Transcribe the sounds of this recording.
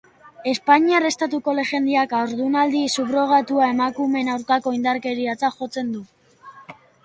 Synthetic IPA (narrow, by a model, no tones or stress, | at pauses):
e̞spaɲiare̞st̪at̪uko̞le̞ʝe̞nd̪iakaoɾðunald̪isuβɾo̞ɣ̞at̪uae̞makume̞nawɾkako̞ind̪aɾke̞ɾiat͡saʝo̞t͡se̞nd̪u